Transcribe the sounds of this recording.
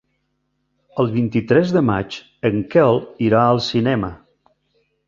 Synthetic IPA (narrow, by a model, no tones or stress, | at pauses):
əlˠβint̪it̪ɾɛzðəma̰t͡ʃ | əŋkɛlˠiɾaəlˠsinɛmə